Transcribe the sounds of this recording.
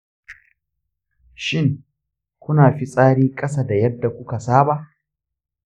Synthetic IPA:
ʃɪ˦˨ŋ | kʷʊ˦naː˨ɸi˦sʼaː˦ɽiː˦kʼɐ˦sa˨da˨jɐ˦dːa˨kʷʊ˦ka˨saː˦ba˨ʔ

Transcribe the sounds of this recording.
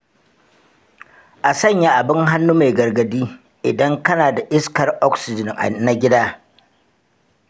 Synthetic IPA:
ʔa˨sɐ˦˨ɲja˦ʔa˨bɪ˦ŋɦa˦nːu˦me˨ɡɐ˨rɡɐ˨diː˦ | ʔɪ˨dɐ˦ŋkɐ˦naː˨da˨ʔɪ˦skɐ˨rʔɔ˦ksɪ˨d͡ʒɪ˨ŋ˨na˨ɡʲɪ˦daː˦

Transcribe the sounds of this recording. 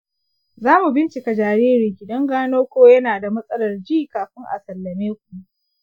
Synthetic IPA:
zaː˦mu˨bɪ˦nt͡ʃɪ˨ka˨d͡ʒaː˨ɾeː˦ɾiː˨ɡʲɪ˨dɐ˦ŋɡaː˦noː˦kʷoː˦jɐ˦naː˨da˨mɐ˦sʼɐ˦lɐ˨rd͡ʒiː˦kaː˨ɸɪ˦ŋʔa̰˨sɐ˨lːɐ˨meː˦kʷu˨ʔ

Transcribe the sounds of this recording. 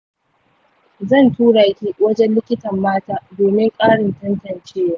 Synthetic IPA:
zɐ˦˨ntuː˦ɽaː˨˦kʲi˦wɐ˦d͡ʒɛ˦nlːɪ˦kʲɪ˦tɐ˨mːaː˦taː˦doː˨mɪ˦ŋkʼaː˦ɽɪ˨ntɐ˦ntɐ˨nt͡ʃeː˦ja˦˨˦

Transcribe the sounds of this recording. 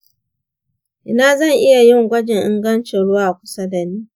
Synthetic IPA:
ʔɪ˦naː˦˨zɐ˦˨ŋʔɪ˦ja˨jɪ˦˨ŋɡʷɐ˦d͡ʒɪ˨ŋʔɪ˦ŋɡɐ˦nt͡ʃe˨ɽʊ˦waː˨kʷʊ̥˦sa˦da˨niː˦

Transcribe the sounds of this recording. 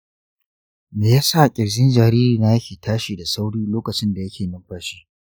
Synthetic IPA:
meː˨jaː˦sa˦˨kʲʼɪ˨ɾzɪ˦nd͡ʒɐ˨ɾiː˦ɾiː˨naː˦jɐ˦kʲiː˨tʰaː˦ʃiː˨da˨sa˦wɽiː˦loː˦kɐ˨t͡ʃɪ˦nda˨jɐ˦kʲʰeː˨nɪ˦mɸaː˦ʃiː˦

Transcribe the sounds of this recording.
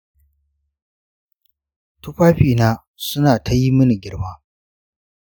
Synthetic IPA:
tʊ˦ɸʷaː˦ɸiː˨naː˦ | sʊ˦naː˨tʰɐ˦ji˦mɐ˦ni˨ɡʲɪ˦ɽmaː˦

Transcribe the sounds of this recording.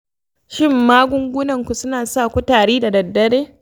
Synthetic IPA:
ʃɪ˦˨mːaː˦ɡʷʊ˦ŋɡʷʊ˦nɐ˨ŋkʷu˨sʊ˦naː˨sa˦˨kʷu˦taː˨ɽiː˦da˨dɐ˨dːɐ˦ɽeː˦

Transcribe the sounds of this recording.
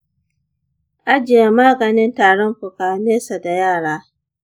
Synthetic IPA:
ʔa˦d͡ʒɪ˨e˨maː˦ɡɐ˨nɪ˦ntaː˨ɽɔ˦mɸʊ˨kaː˨meː˦sa˨da˨jaː˦˨ɽaː˦

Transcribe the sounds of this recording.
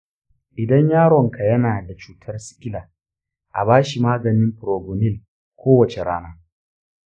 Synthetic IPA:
ʔɪ˨dɐ˦ɲjaː˦ɽɔ˨ŋka˨jɐ˦naː˨da˨t͡ʃuː˦tʰɐ˦rsɪ̥˦kʲʼɪ˦laː˨ | ʔa̰˨baː˦ʃi˨maː˦ɡɐ˨nɪ˦mɸɾoː˨ɡo˨nɪ˦˨l | kʷoː˦wɐ˨t͡ʃe˨ɽaː˦naː˦

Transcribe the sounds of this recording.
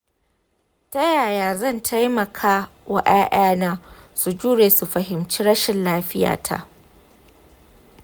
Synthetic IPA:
tɐ˦jaː˨jaː˨zɐ˦˨ntʰa˦jmɐ˨kʰaː˦wa̰˦ʔaː˦ʔaː˦naː˦su˨d͡ʒuː˦ɽeː˨su˨ɸɐ˨ɦɪ˨mt͡ʃiː˦ɾɐ˦ʃɪ˨nlaː˦ɸɪ˦ja̰ː˨tʰa̰˨ʔ

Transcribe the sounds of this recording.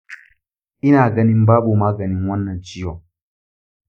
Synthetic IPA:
ʔɪ˦naː˨ɡɐ˦ni˦m˦baː˦bo˨maː˦ɡɐ˨ni˦ŋwɐ˦nːɐ˨nt͡ʃi˦jɔ˨

